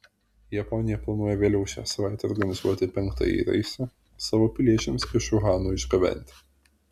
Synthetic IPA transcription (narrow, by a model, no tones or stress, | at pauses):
jɛpɔnʲɪjɛplˠɐnuɔjɛʋʲeːlʲɛʊʃʲæ̰ːsɐʋɑˑɪt̪ʲɛɔ̰ɾɡɐnʲɪzuɔt̪ʲɪpʲɛŋˑkt̪ɐ̰jḭːɾɐ̰ɪsʲɛ | sɑːʋoːpʲɪlʲiɛt͡ʃʲɛmsɪʃʊɣɑːnuːɪʒɡɐʋʲɛ̰nʲt̪ʲɪ̥